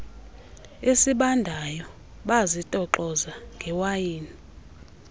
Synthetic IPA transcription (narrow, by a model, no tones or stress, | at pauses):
esiɓandʱajɔ | ɓazitʼɔǃɔzaŋɡʱɛwajiːni